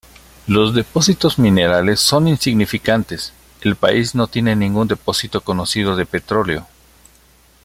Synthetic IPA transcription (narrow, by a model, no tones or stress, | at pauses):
lo̞zðe̞po̞sit̪o̞zmĩne̞ɾale̞sːo̞ninsiɣnifikant̪e̞s | e̞lpa̰izno̞t̪je̞ne̞nĩŋɡund̪e̞po̞sit̪o̞ko̞no̞sið̞o̞ðe̞pe̞t̪ɾo̞leo̞